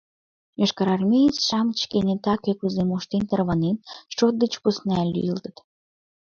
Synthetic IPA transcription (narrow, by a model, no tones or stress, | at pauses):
jɑʃkɑɾɑrmʲejit͡sʃɑmt͡ɕkenet̪ɑkøkuzemoʃt̪ent̪ərβɑnenʃot̪̚d̪ə̆t͡ɕpusnælʲːy̰jəlt̪ə̥̆t̪